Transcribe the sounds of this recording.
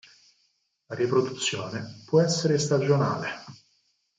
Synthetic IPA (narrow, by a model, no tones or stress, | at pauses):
laɾipɾod̪ut̪sːjoːnepwɔɛsːeɾest̪ad͡ʒona̰ːle